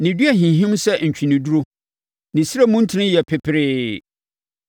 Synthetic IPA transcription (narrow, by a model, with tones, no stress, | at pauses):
nɪ̃˨dɥæ˨ɦĩ˨ɦĩ˦msɛ˦ɲ̩˨t͡ɕᶣʰĩ˨nĩ˨du˦ɾo˦ | nɪ̃˨si˦ɾa˦mũ˦n̩˦tʰɪ˨˦nɪ̃˦jɛ˨pʰɪ˨pʰɪ˨ɾɪː˦